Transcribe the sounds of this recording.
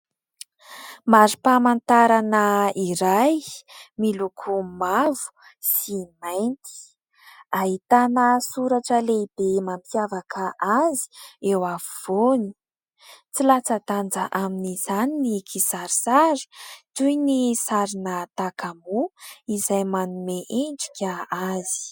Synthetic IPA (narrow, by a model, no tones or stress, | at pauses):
maɾipamant̪aɾanəiɾajmilukʰumavu̥ | simajnt̪i̥ | aɦit̪anəsuɾaʈ͡ʂəleibemampjavakʰaʔazi̥ewavuv̥oni̥ | t͡silat͡sad̪and͡zaʔaminiz̥aninikʰisaɾisaɾi̥t̪ujnisaɾinət̪akamuizajmanumeʔeɳɖ͡ʐi̥kʲaazi̥